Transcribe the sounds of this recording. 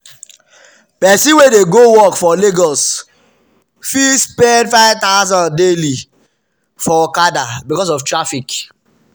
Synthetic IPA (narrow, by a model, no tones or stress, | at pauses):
pɛsĩwedeɡowɔkfɔleɡɔs | fispɛdfaɪvtaʊzãndeli | fɔkadabikɔs̬ɔftɹafik